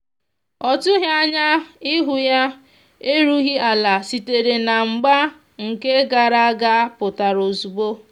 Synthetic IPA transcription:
ɔ˨tʊ˦ɦi˦a˦ɲa˦ɪ˦ɦʊ˨ja˦ | e˦ɾu˦ɣi˦a˨la˨si˨te˨ɾe˨na˨ŋ͡m̩˨ɡ͡ba˦ | ŋ̩˨ke˦ɡa˨ɾa˦a˦ɡa˦pʊ˨ta˨ɾo˨zu˨bo˦

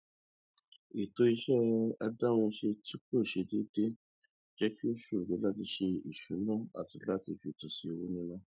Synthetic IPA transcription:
i˨to˧i˧ʃɛ˦a˧da˦w̃ɔ̃˧ʃe˧ti˦k͡po˦˨ʃe˧de˦de˦ | d͡ʒɛ˦ki˦o˦ʃu˦˨ɡe˨˦la˦ti˧ʃe˧i˨ʃu˨˦lɔ̃˦˨a̰˨ti˧la˦ti˧fi˧˨tu˨si˨˧o˧wu˦nĩ˦la˦

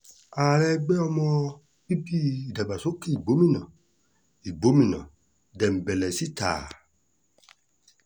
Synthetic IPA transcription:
a˨lɛ˦ɡ͡bɛ˦ɔ˧mɔ̃˦ | bi˦bi˦i˨da˨ba˨so˦ke˦i˨ɡ͡bo˨˦mĩ˦nã˨ | i˨ɡ͡bo˨˦mĩ˨nã̰˨ | dɛ˨m̩˨bɛ˨lɛ˨si˦t̪a̰ː˨

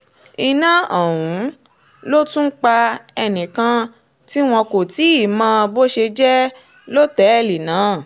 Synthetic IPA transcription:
i˧nã˦ɔ˨wũ˨˦ | lo˦tũ˦k͡pa˧ɛ˧nĩ˨kã˧ | ti˦w̃ɔ̃˧ko˨ti˨˦i˦˨mã˧bo˦ʃe˧d͡ʒɛ˦ | lo˦tɛ˨˦˨li˨nãː˨˦˨

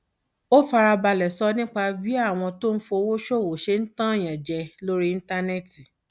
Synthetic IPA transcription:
o˦fa˧ɾa˧ba˧lɛ˨sɔ˧nĩ˦k͡pa˧bi˦a˦˨w̃ɔ̃˧to˦n̩˦fo˧wo˦ʃo˦˨wo˨ʃe˧˦n̩˦tã˦˨j̃ã˨d͡ʒɛ˧lo˦ɾi˦i˧n̩˦ta˧nɛ˦˨ti˨

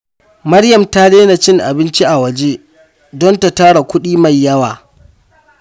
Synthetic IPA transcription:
mɐ˦ɽjɐ˨mta˦leː˦na˨t͡ʃɪ˦ŋʔa̰˨bɪ˦nt͡ʃi˦ʔa˨wɐ˨d͡ʒeː˦ | dɔ˦nta˨taː˦ɽa˨kʷʊ˦ɗiː˦ma˨jːɐ˦waː˨

